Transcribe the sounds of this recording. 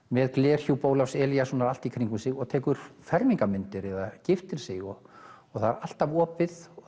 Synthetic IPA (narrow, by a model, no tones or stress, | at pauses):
mɛðklɛːr̥çupoːwlawsɛːljasɔːnaɾal̥t̪ikʰɾiŋkʏnsɪɣɔɣt̪ʰɛːkʏɾ̥fɛɾmiŋkamʏnt̪ɪɾɛðacɪft̪ɪɾ̥sɪɣɔɔɣθaðɾal̥t̪avɔːpɪð